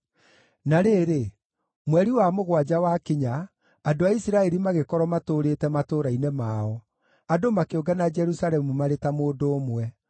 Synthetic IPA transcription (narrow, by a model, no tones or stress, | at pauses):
naɾeːɾe | mwɛɾiwamoɣwad͡ʑawakiɲaː | doaisiɾaɛɾimaɣekɔɾɔmatoːɾetɛmatoɾainemaɔ | adomakeoɡanad͡ʒɛɾusaɾɛmumaɾetamoːdoːmwɛ